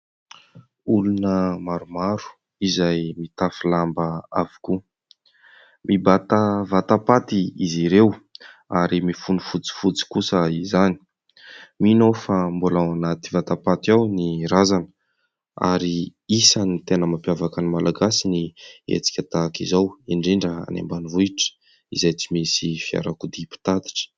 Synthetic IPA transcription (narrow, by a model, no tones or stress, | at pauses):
ulunəmaɾumaɾu̥ | izajmit̪afilambəavi̥ku | mʔibat̪avat̪apat̪iiziɾew | aɾimifunufut͡si̥fut͡si̥kusəizani̥ | minofambulaanat̪ivat̪apat̪iawniɾazanə̥ | a̰ɾiisanit̪enəmampjavakanimalʔaɡasiniḛt͡si̥kʲət̪akizawiɳɖ͡ʐiɳɖ͡ʐəa̰nḛmbanivuiʈ͡ʂə̥ | izejt͡simisifia̰ɾakud̪ipi̥t̪ad̪i̥ʈ͡ʂə̥